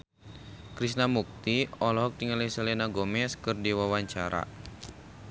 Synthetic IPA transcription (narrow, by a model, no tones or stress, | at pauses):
kɾisnamuk̚t̪iɔlɔɦɔk̚t̪iŋalisəlenaɡɔmɛskɨrdiwawaɲt͡ʃaɾa̰